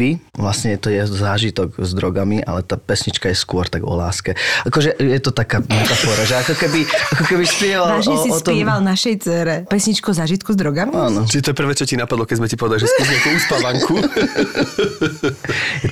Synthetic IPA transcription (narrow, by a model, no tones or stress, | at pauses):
iʋlasɲɛjɛt̪ɔjɛɦɔzaːʒit̪ɔɡzd̪ɾɔɡamiʔa̰lɛt̪aːpɛsɲit͡ʃkajɛskʊɔɾt̪aɡɔ̰la̰ːskɛakɔʒɛʔjɛt̪ɔt̪akaːmɛt̪afɔːɾaʒɛakɔkɛbiakɔkɛbispjɛʋaaːʒɲɛsiɔst̪ɔjɛʋalnaʃɛjt͡sɛːɾɛpɛsɲit͡ʃkɔzaːʒit̪kuzd̪ɾɔɡamiaːnɔt͡ʃiʒɛt̪ɔjɛpr̩ʋɛːt͡ʃɔcinapad̪lɔkɛzmɛcipɔʋɛd̪aliʒɛspuzɛtɛuspaʋaŋkʰu